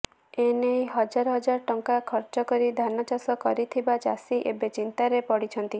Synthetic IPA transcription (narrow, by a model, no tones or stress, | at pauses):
enejɦɔd͡ʒaɾɔɦɔd͡ʒaɾɔʈɔŋkakʰɔɾt͡ʃɔkɔɾid̪ʱanɔt͡ʃasɔkɔɾit̪ʰibad͡ʒa̰siʔebet͡ʃint̪aɾepɔɽit͡ʃʰɔnt̪i